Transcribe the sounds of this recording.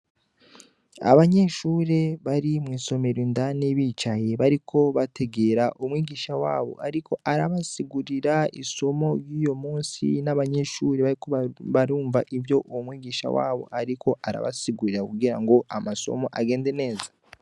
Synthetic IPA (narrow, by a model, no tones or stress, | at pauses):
a̰βaɲe̞ʃuːɾe̞βaɾimwiːso̞me̞ɾindaniβiːt͡ʃaje̞βaɾikʰo̞βatʰe̞ɡe̞ɾaʔumwiːɡiːʃawa̰ːβo̞̰ʔaɾiko̞ʔaɾaβasiɡuɾiɾaḭso̞mo̞ɾjuːjo̞muːnsḭnaβaɲe̞ʃuːɾe̞βaɾikoβaɾuːɱvaʔivjo̞ʔuwomwiːɡiːʃa̰wa̰ːβo̞̰ʔaɾikʰo̞ʔaɾa̰βa̰siɡuɾiɾakuɡiɾaŋɡo̞ʔamaso̞̰mo̞ʔaɡe̞ːnde̞ne̞ːza